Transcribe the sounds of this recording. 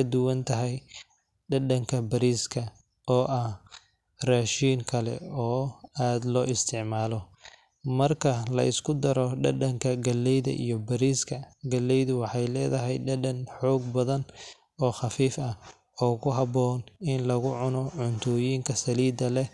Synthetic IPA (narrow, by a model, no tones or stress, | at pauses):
ɐd̪ʊwɐnt̪ʰɐɦɛj | ɖɐɖɐŋkʰɐbɐɾiːskʰɐ | ɔːʔɐh | raːʃiːŋkʰɐlɛ̰ɔːaːd̪lɔːɪst̪ʰɪʕmaːlɔ | mɐrkʰɐlɐ̰ʔɪskʰʊd̪ɐɾɔɖɐɖɐŋkʰɐɡɐlːɛjðɐ̰ʔḭjɔbɐɾiːskʰɐɡɐlːɛjðʊwɑħɑjlɛ̰ːðɐɦɛjɖɐɖɐnħɔːɡ̚bɐðɐn | ɔːχɑfiːfɐ | ɔːkʰʊɦɐβɔːnɪnlɐɣʊʕʊnɔʕʊnt̪ʰɔːjiːŋkʰɐsɐliːd̪ɐlɛ